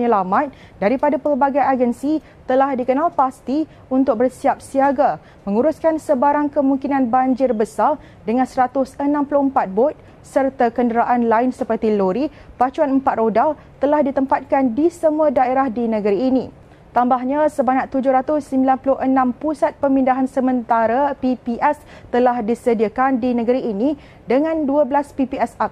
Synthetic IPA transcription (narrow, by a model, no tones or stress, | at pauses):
ɲəlamãt̪̚ | daɾipadapəlbaɡajad͡ʒənsi | t̪əlahdikənalpast̪i | unt̪ʊk̚bərsiap̚siaɡa | mə̃ŋuɾʊskansəbaɾaŋkəmũŋkinãnbaɲd͡ʒɪrbəsar | dəŋãnsəɾat̪ʊsənãmpulʊhəmpat̪̚bɔt̪̚ | sərt̪akəndəɾaʔanlaɪnsəpərt̪iloɾi | pat͡ʃuanəmpat̪̚rodal | t̪əlahdit̪əmpat̪̚kandisəmũadaeɾahdinə̃ɡəɾiːnĩ | t̪ambaɦɲasəbaɲaʔt̪ud͡ʒʊhɾat̪ʊsːəmbilanpulʊhʔənãmpusat̪̚pəmĩndaɦansəmə̃nt̪aɾapipiʔɛs | t̪əlahdisədiakandinə̃ɡəɾiːnĩ | dəŋãnduəblaspipiɛsak̚